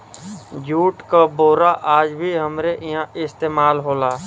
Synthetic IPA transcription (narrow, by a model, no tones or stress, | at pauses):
d͡ʒuːʈkaboːɾaʔaːd͡ʒbʱiɦəmɾeʔɪɦãʔɪst̪eːmaːlɦoːlaː